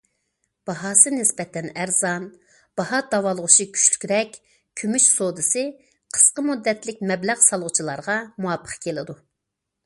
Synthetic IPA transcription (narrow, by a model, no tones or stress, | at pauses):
b̥ɑɦɑːsɨnɪsbɛt̪ʰɛnæɾzɑn | b̥ɑɦɑd̪ɑwɑlˠəʁʊʃikʲʰy̥ʃly̥kʲɾɛkʲ | kʲʰymyʃsod̪ɨsɨ | qʰə̥sqəmud̪ːɛt̪lɪk̚ʲmɛblæʁsɑlˠʁʊt͡ʃʰilˠɑɾʁɑmuɑpʰːə̥qʰkʲʰelɪd̪u